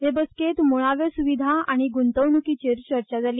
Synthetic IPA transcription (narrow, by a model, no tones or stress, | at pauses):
ɦebəsket̪moɭ̃aʋjəsuʋid̪ʱaaɽ̃iɡunt̪əʋnukit͡ɕeɾt͡ɕəɾt͡ɕad͡zaliː